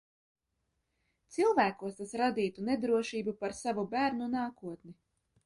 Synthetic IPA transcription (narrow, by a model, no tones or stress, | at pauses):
t̪silˠvæːkuɔst̪asɾad̪iːt̪uned̪ɾuɔʃiːbupaɾsavubæːɾnunaːkuɔt̪ni